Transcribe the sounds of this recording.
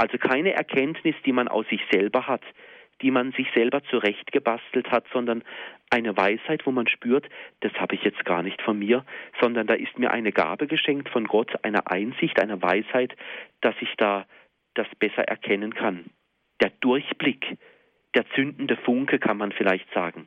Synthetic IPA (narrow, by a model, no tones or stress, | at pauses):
ʔalzokʰaɪnəʔɛ̰ɐkʰɛntnɪsd̥iːmanʔa̰ʊfz̥ɪçz̥ɛlbɐhatd̥iːmanzɪçz̥ɛlbɐt͡suʁɛçtɡ̥əbastl̩thatz̥ɔndɐnʔaɪnəvaɪshaɪtv̥oːmanʃpyːɐtd̥ashaːbəɪçjɛt͡st̚ɡ̥a̰ːɐnɪçtfɔnmiːɐz̥ɔndɐndaːʔɪstmiːɐʔa̰ɪnəɡa̰ːbəɡəʃɛŋk̚tfɔnɡɔtʰʔa̰ɪnɐ̰ʔa̰ɪnzɪçtʔaɪnɐva̰ɪshaɪtd̥asɪçd̥aː | d̥asb̥ɛsɐ̰ʔɛ̰ɐkʰɛnənkʰan | d̥eːɐd̥ʊɐçb̥lɪk | d̥eːɐt͡sʏndn̩dəfʊŋkəkʰanmanfɪlaɪçtz̥aːɡŋ̩